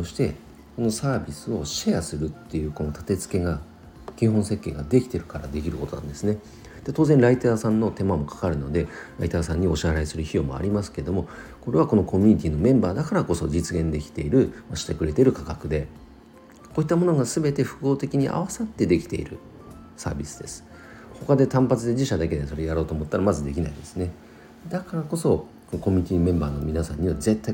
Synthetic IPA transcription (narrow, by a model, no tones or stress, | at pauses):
oɕi̥t̪e̞ | ko̞no̞saːbʲisɨo̞ɕejasɨɾɯ̟t̪ːe̞jɯ̟ːko̞no̞t̪ḁt̪e̞t͡sɨ̥ke̞ɡa | kẽɰ̃ɦõ̞ɰ̃se̞kʲːe̞ːɡad̪e̞kʲi̥t̪e̞ɾɯ̟kaɾa̰d̪e̞kʲiɾɯ̟ko̞t̪o̞nã̰nd̪e̞sɨne̞ | d̪̥e̞t̪oːzẽ̞ñɾait̪aːsãnːo̞t̪e̞mamo̞kḁkaɾɯ̟no̞d̪e̞ɾa̰it̪aːsãɲ̟ːio̞ɕiaɾaisɨɾɯ̟çijo̞mo̞̰a̰ɾʲimasɨ̥ke̞ɾed̪o̞mo̞ko̞ɾe̞βako̞no̞ko̞mʲyɲ̟it̪ʲiːno̞mẽ̞mbaːd̪akaɾako̞so̞d͡ʑit͡sɨɡẽ̞nd̪e̞kʲi̥t̪e̞iɾɯ̟maɕi̥t̪e̞kɯɾe̞t̪e̞ɾɯ̟kakakɯ̟d̪e̞ | koːit̪ːamo̞noɡasɨbe̞t̪e̞ɸɯ̟̥ko̞ːt̪e̞kʲiɲ̟iʔa̰β̞asat̪ːe̞d̪e̞kʲi̥t̪e̞̰iɾɯ̟ | sa̰ːbʲisɨ̥d̪e̞sɨ̥ | ho̞kad̪e̞t̪ãmpat͡sɨd̪e̞ʑiɕad̪ake̞d̪eso̞ɾe̞jaɾo̞ːt̪oːmo̞t̪ːaɾamazɨd̪e̞kʲinaid̪esɨne̞ | d̪akaɾako̞so̞ | konoko̞mʲiɲit̪ʲiːmẽ̞mbaːno̞mʲinasã̰ɲ̟ːiβaze̞t̪ːa